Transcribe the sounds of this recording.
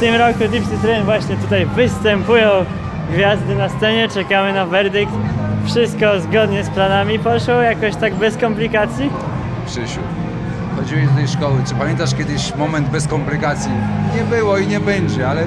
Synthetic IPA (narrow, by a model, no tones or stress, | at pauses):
ft̪ɘmɾɔkud̪ʲipsit̪ɾɛnd̪vwaɕɲɛt̪ut̪ajvɘst̪ɛmpujɔ̃w̃ | ɡvʲjazd̪ɘnast̪sɛɲɛt͡ʂɛkamɘnavɛɾd̪ɘk̚t̪fʂɘst̪kɔzɡɔd̪ɲɛsplanamʲipɔʂwɔwjakɔɕt̪aɡbɛskɔmplʲikat̪sʲji | pʂɛɕṵ | xɔd͡ʑiwɛt̪ut̪ɛjʂkɔwɘt͡ʂɘpamʲjɛnt̪aʂkʲjɛd̪ɘɕmɔmɛnd̪̚bɛskɔmplʲikat̪sʲjiɲɛbɘwɔiɲɛbɛɲd͡ʑɛalɛ